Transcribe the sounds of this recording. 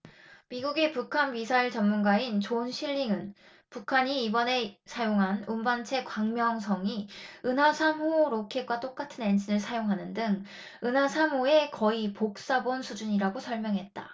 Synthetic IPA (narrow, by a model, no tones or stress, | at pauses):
miɡuɡepukʰanmisʰaiɭt͡ɕʌmmunɡaint͡ɕonɕʰiʎːiŋɯn | pukʰaɲiːbʌne̞sʰajoŋɦanumbant͡ɕʰe̞kwaŋmjʌŋsʰʌŋiɯnɦasʰamɦoɾokʰe̞k͈wat͈ok͈atʰɯne̞nd͡ʑʰinɯɭsʰajoŋɦanɯndɯŋ | ɯnɦasʰamɦoe̞kʌipok̚s͈abonsʰud͡ʑuɲiɾaɡosʰʌɭmjʌŋɦe̞t̚t͈a